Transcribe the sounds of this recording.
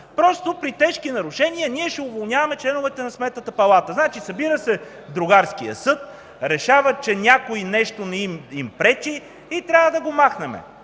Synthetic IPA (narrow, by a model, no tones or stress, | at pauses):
pɾɔst̪opɾit̪ɛʃkinɐɾʊʃɛniəniɛʃɛʊvolˠnʲavɐmɛt͡ʃlɛnʊvɛt̪ɛnɐsmɛt̪nət̪əpɐlˠat̪əznat͡ʃisɐbiɾəsɛ | d̪ɾʊɡaɾskiə̰sɤt̪̚ | ɾɛʃavət͡ʃɛnʲjakoinɛʃt̪onɛimimpɾɛt͡ʃiː | t̪ɾʲavəd̪ɐɡomaxnɛmɛ̰